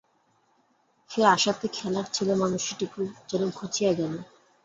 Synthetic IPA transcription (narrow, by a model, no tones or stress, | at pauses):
feɾaʃat̪ekʰɛlaɾt͡ɕʰilomanuʃiʈikʰubd͡ʑɔlomkʰot͡ɕʰijaɡɛlo